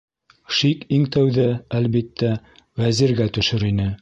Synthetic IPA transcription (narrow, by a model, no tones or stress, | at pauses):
ʃikiŋt̪æwðɘælβit̪ːæ | wæziɾɡæt̪ɵ̆ʃɵɾinɘ